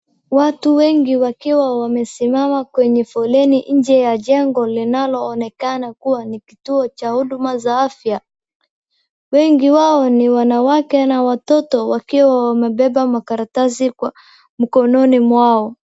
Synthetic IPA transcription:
watuwɛŋɡiwakiwawamɛsimamakwɛɲɛfɔlɛniʔɲ̩d͡ʒɛjaʄɛŋɡɔlinalɔːnɛkanakuwanikituɔt͡ʃahuɗumazaafja | wɛŋɡiwaɔniwanawakɛnawatɔtɔwakiwawamɛɓɛɓamakaɾatasikwa | m̩kɔnɔnimwaɔ

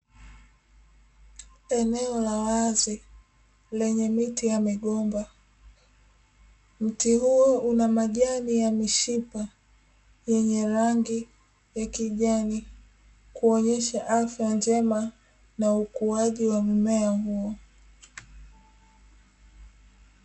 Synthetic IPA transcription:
ɛnɛɔlawazi | lɛɲɛmitijamiɠɔmba | m̩tihuɔʔunamaʄanijamiʃipa | jɛɲɛɾaŋɡi | jakiʄani | kuɔɲɛʃaʔafjand͡ʒɛma | naukuaʄiwam̩mɛahuɔ

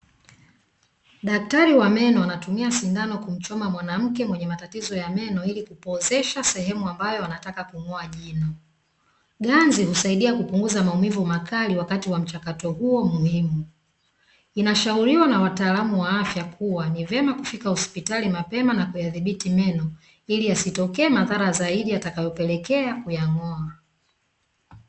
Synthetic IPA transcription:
ɗak̚taɾiwamɛnɔanatumiasindanɔkum̩t͡ʃɔmamwanam̩kɛmwɛɲɛmatatizɔjamɛnɔilikupɔzɛʃasɛɦɛmuambajɔanatakakuŋɔaʄinɔ | ɠanzihusaiɗiakupuŋɡuzamaumivumakʰaliwakatiwam̩t͡ʃakatɔhuɔmuhimu | inaʃauɾiwanawataːlamuwaafjakʰuwanivjɛmakufikahɔspitalimapɛmanakujaðiɓitimɛnɔ | iliasitɔkɛːmaðaɾazaiɗiatakajɔpɛlɛkɛakujaŋɔa

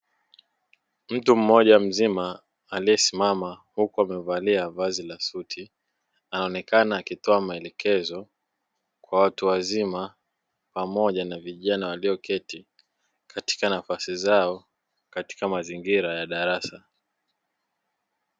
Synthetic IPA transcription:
m̩tum̩ːɔʄam̩zima | aliɛsimamahukuamɛvaliavazilasutʰi | anaɔnɛkanaːkitɔamaɛlɛkʰɛzɔ | kwawatuwazima | pamɔʄanaviʄanawaliɔkɛti | kʰati̥kanafasizaɔ | kati̥kamaziŋɡiɾajaɗaɾasa

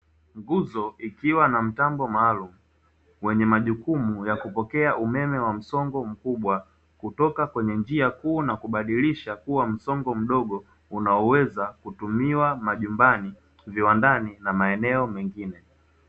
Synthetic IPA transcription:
ŋɡuzɔʔikiwanam̩tambɔmaːlum̩ | wɛɲɛmaʄukumujakupɔkɛaʔumɛmɛwam̩sɔŋɡɔm̩kuɓwa | kutɔkakwɛɲɛnd͡ʒiakuːnakuɓaɗiliʃakuwam̩sɔŋɡɔm̩ɗɔɠɔ | unaɔwɛzakutumiwamaʄumbani | viwandaninamaɛnɛɔmɛŋɡinɛ

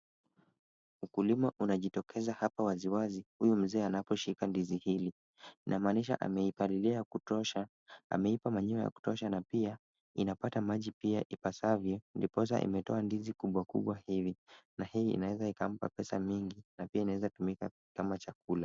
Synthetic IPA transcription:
ukulimaʔunaʄitɔkʰɛzahapawaziwazihujum̩zɛːanapɔʃikandizihili | nʔamaːniʃa̰ʔa̰mɛipaliliakutɔʃa | a̰mɛipamaɲiaja̰ku̥tɔʃanapia | inapatamaʄipiaʔipasavjɔndipɔs̬a̰ʔḭmɛtɔandizikuɓwakṵɓwahivinahiḭnawɛzaikam̩pa̰pɛsa̰miŋɡinapiainawɛzatumika | kamat͡ʃak̚ula

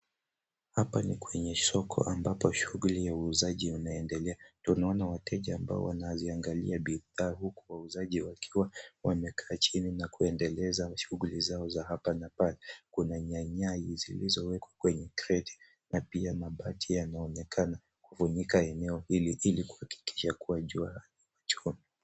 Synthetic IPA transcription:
hapanikwɛɲɛsɔkʰɔ̰ʔambapɔʃuɣulijauːzaʄiunaɛndɛlɛatunaɔnawatɛʄaːmba̰ɔ̰wanaziaŋɡalḭaɓiðaːhuku̥wauzaʄiwakʰiwawamɛkʰaːt͡ʃininakuɛndɛlɛzaʃuɣulizaɔzahapanapalɛkunaɲaɲajizilizɔwɛkwakwɛɲɛkɾɛti̥ | napiamaɓatʰijanaɔnɛkʰana | kufuɲikaɛnɛɔhiliʔiliku̥haki̥ki̥ʃakuwaʄuaaniwat͡ʃɔmi

